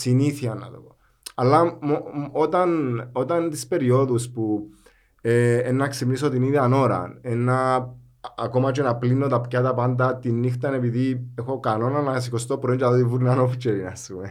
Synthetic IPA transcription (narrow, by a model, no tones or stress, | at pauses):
siniθiɐnːɐ̰t̪opo | ɐlːɐmoot̪ɐnot̪ɐnt̪ispe̞ɾio̞ðuspu | eenːɐksimnisot̪iniðiɐno̞ɾɐ̰nenːɐː | ko̞mɐt͡ʃenɐplinːot̪ɐpcat̪ɐpɐnd̪ɐt̪inːixt̪ɐne̞piðiexo̞kano̞nanas̬ikost̪opɾoint͡ʃɐðot̪ivuɾinanofit͡ʃːeɾinɐ̰sume